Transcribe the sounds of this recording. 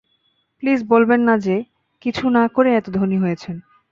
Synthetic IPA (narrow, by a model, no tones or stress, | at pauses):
plisbolbenːad͡ʑe | kit͡ɕʰunakoɾeɛt̪od̪ʱoɾniɦojet͡ɕʰen